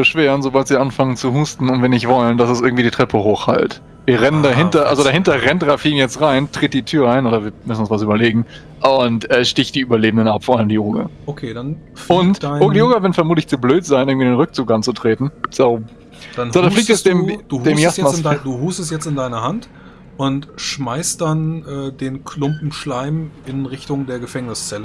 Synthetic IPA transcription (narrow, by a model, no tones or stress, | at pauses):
b̥əʃv̥eːʁənzobaltz̥iːɐʔanfaŋənt͡suhuːstn̩ʊntv̥iɐnɪçtv̥ɔləndasɛsʔɪɐɡŋ̩tv̥iːdiːtʁ̥ɛpʰəhoːxha̰lt | viːɐʁɛnəndaɦɪndtɐʔalzodaɦɪntɐʁɛntʁafinjɛt͡stʁaɪntʁ̥ɪt̚d̥iːtʰyːɐʔaɪnʔoːɾɐviːɐmʏsn̩ʊnsvas̬yːbɐleːɡŋ̩ | ʔʊntʔɛːʃtɪçtd̥iːʔyːbɐleːbm̩dənapfɔɐʔaləmdiːʔoːɡa̰okʰeːdan | fʊntʔoːɡədiːʔoːɡavɪɐnfɛɐmuːtlɪçt͡subløːtz̥aɪnɪɡŋ̩viːdeːnʁʏk̚t͡suːkʔant͡sutʁ̥eːtn̩z̥oː | d̥an̥oːdafliːk̚tɛsd̥eːmd̥uːd̥eːmjasmanaduːɦuːstɛsjɛt͡stɪndaɪnɐɦant | ʔʊntʃmaɪst̚d̥anʔɛːdeːnkʰlʊmpm̩ʃlaɪmɪnʁɪçtʊŋdeːɐɡəfɛŋnɪst͡sɛlə